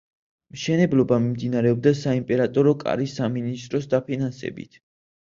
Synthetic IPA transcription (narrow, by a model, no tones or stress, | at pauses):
mʃɛnɛblˠɔbamimd̪inaɾɛɔb̚d̪asaimpʼɛɾat̪ʼɔɾɔkʼa̰ɾisːaminist̪ʼɾɔsd̪apʰinansɛ̰bḭt̪ʰ